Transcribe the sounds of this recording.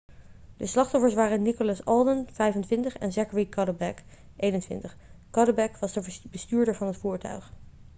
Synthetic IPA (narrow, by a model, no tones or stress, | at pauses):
dəslɑχtɔfəɹsʋaːrənikʊlɑsɔlˠdənv̥ɛjfəntʋɪntəχɛ̰nzɛkəɹikɑdəbɛk | ʔejnəntʋɪ̰ntəχkɑdəbɛkʋɑzdəbəstyːɹdəɹvɑnɦətfuːɹtœ̰ɥχ